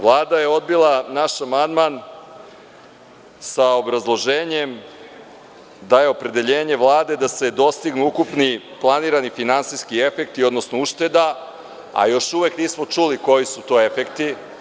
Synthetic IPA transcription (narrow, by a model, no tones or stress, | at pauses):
ʋlˠaːd̪aje̞o̞d̪bilˠanaʃamand̪man | sao̞bɾazlˠo̞ʒeːɲe̞m | d̪aje̞o̞pɾe̞d̪e̞ʎeːɲe̞ʋlˠaːd̪e̞d̪ase̞d̪o̞st̪iɡnuukupniplˠaniːɾanifinansiskie̞fe̞k̚t̪io̞d̪nosnouʃt̪e̞d̪a | a̰jo̞ʃuʋekniːsmot͡ʂuliko̞jisut̪o̞ːe̞fekt̪i